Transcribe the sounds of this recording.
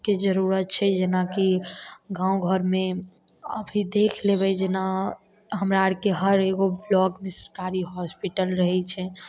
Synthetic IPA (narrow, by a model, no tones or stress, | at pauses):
ked͡ʒəɾuɾət̪̚t͡ʃʰɛd͡ʒenakiɡãõɡʱəɾmẽ | əbʱid̪ekʰlebɛd͡ʒena | ɦəmɾaɾkeɦəɾeɡoblɔɡmɪsɾkaɾiɦɔspiʈəlɾəɦɛt͡ʃʰɛ